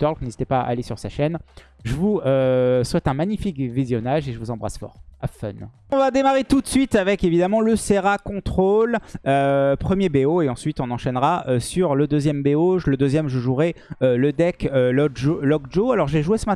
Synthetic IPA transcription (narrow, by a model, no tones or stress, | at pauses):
t̪ɔʁlknezit̪epaa̰lesyʁsaʃɛn | ʒəvuøswɛt̪ɛ̃maɲifikvizjɔnaʒeʒəvuzɑ̃bʁa̰sfɔ̰ːʁafœ̰n | ɔ̃vad̪emaʁet̪ut̪sɥit̪avɛkevid̪amɑ̃ləseʁakɔ̃t̪χoløpχəmjebeoeɑ̃sɥit̪ɔ̃nɑ̃ʃɛnʁaøsyʁləd̪øzjɛmbeoʒləd̪øzjɛmʒəʒuʁɛøləd̪ɛkøolɔk̚ʒoalɔʁʒɛʒuesəmat